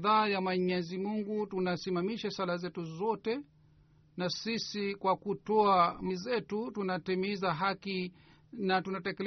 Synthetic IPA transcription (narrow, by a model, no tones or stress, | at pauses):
ðaːjamwaɲɛzimuŋɡutunasimamiʃasalazɛtuzɔtɛ | nasisikwakutɔamizɛtutunatimizaɦaki | natunatɛkɛl